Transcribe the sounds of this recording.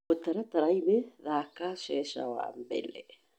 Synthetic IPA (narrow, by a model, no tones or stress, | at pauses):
ot̪aɾat̪aɾajβeðakasesa̰wa̰mbḛle